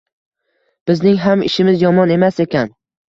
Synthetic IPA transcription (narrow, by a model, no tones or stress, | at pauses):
b̥ɪznɪŋɦamɪ̰ʃɪmɪzjɒmɒne̞mase̞kʲʰan